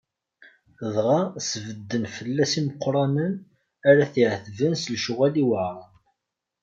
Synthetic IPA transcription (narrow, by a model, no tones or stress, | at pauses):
ðʁɑsvəd̪ːənfəlːæsiməqːɾˤɑnən | æɾæθiʕθvənslʃuʁæliwəʕɾˤɑn